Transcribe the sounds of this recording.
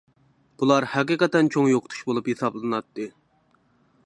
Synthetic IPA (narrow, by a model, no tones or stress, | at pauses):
b̥ulˠɑɾhæqiqɛt̪ɛnt͡ʃʰoŋjoqʰʊ̥t̪ʰu̥ʃbolˠuphesɑblˠɨnɑt̪ːɨ